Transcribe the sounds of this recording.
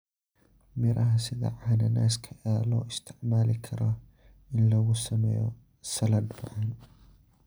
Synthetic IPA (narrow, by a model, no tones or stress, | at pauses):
mɪɾʔɐɦɐsɪðɐ̰ʕanɐna̰ːskʰɐʔɛlɔːʔɪst̪ʰɪʕmaːlɪkʰɐɾɐ | ʔɪnlɐɣʊsɐmɛ̰jɔ̰ | sɐlɐd̪bɐ̰ʕan